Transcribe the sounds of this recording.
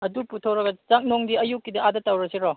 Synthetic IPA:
ɐduputʰɐwɾɐɡɐt͡ʃak̚noŋdiɐjukːidɐadɐtɐwɾɐsiɾɔ

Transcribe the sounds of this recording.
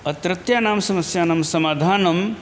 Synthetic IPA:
ɐt̪ɾɐt̪jaːnaːmsɐmɐsjaːnaːmsɐmaːd̪ʱaːnɐm

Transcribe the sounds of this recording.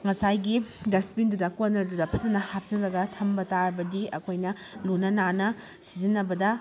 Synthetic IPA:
ŋɐsajɡidɐspindudɐkonːɐɾdudɐpʰɐzɐnɐhap̚siŋɾɐɡɐtʰɐmbɐtaɾɐbɐdiɐkʰojnɐlunɐnanɐ | sizinːɐbɐdɐ

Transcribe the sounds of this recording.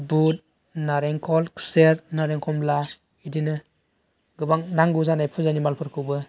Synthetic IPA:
but̚ | naɾeŋkʰɔlkʰu̥seɾnaɾeŋkʰɔmla | idinɯ | ɡɯbaŋnaŋɡuzanajpʰuzanimalpʰɯɾkʰɯbɯ

